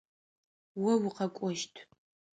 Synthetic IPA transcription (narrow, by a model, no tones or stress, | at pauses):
wɐwʊqɐkʷʼɔʃtʰ